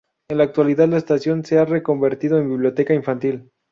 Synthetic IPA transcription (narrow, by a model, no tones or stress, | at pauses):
enlaːk̚t̪waliðaðlaest̪asjo̞nse̞are̞ko̞mbe̞ɾt̪iðo̞e̞mbiβljo̞t̪e̞kaiɱfant̪il